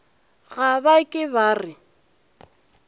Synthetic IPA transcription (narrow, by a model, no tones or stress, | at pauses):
ɣabakʼɪbaːrɪ